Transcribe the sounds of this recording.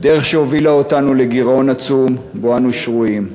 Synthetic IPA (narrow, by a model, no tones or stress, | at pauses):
d̪eʁeχʃeho̞vilaotanuleɡiʁo̞nat͡sum | boanuʃʁuim